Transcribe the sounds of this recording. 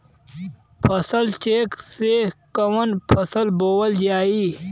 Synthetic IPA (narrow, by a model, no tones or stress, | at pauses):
pʰɐsəlt͡ʃeːksekɐwɐnpʰɐsəlboːwɐld͡ʒaːiː